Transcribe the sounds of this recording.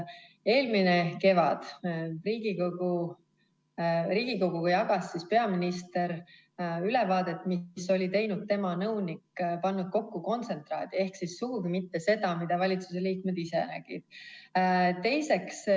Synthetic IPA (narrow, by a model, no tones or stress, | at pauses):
e̞ːlmine̞ke̞vɑ̰d̪̥riːɡikoɡu | riːɡ̥iko̞ɡ̥uɡujɑɡ̥ɑsːispe̞ɑminist̪e̞ɾ | yle̞vɑːd̪e̞t̪ːˑmiso̞lʲit̪e̞jnud̪̚t̪e̞mɑnɤwnikːpɑnːud̪̥̚ko̞kːuko̞nt̪se̞nt̪rɑ̰ːd̪̥ie̞hksisːuɡ̥uɡimit̪ːe̞se̞d̪ɑmid̪̥ɑvɑlʲit̪suseliːkmed̪̥isenæ̰ɡ̥ḭd̪̥ | t̪e̞jse̞ks